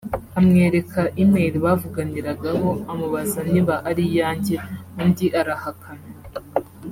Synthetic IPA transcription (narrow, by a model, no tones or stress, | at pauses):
amŋe̞ːɾe̞kʰaʔimeɾiβavuɡaniɾaɡaɦo̞amuβazaniβaʔaɾijaːɲɟeundiʔaɾahakʰana